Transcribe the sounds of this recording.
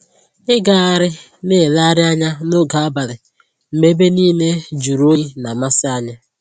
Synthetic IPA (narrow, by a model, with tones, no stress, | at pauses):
ɪ˦ɡa˨a˨ɾɪ˦ | ne˦˨la˦ɾɪ˦a˦ɲa˦no˦ɡa˨a˦ba˨ɾɪ˨ | m̩˨me˦be˦niː˦ne˦d͡ʒu˨ɾo˦i˦na˨ma˦sɪ˦a˦ɲa˦